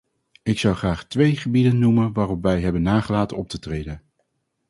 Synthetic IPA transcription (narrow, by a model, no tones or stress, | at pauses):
ɪksɑwχraːχtʋejχəbidənːumənʋaːrɔpʋɛjɦɛbənːaːχəlaːtənɔp̚tətrejdən